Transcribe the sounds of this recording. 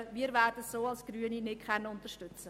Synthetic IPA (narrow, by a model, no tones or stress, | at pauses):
miːəɾvæːrdətsoːɑlsɡ̥ɾyəninɪt̚kʰɛnːəʊntəʃtʏt͡sə